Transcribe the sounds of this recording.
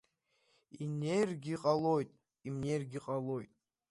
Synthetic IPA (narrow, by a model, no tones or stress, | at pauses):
inejrɡʲiqʼalojt̪ʼ | imnerɡʲiqʼalojt̪ʼ